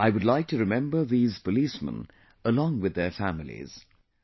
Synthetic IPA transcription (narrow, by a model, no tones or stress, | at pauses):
ʔaɪwədˡlaɪk̚tʰɨɹɨmɛ̃mbə˞ðiːz̥pəlismə̰̃n | əlɔ̃ŋwɨðə˞fæmɪl̩ˠḭz̥